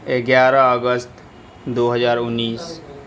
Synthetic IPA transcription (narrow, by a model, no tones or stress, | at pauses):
eɡjaːɾaəɡəst̪ | d̪oːɦəzaːɾʊnːiːs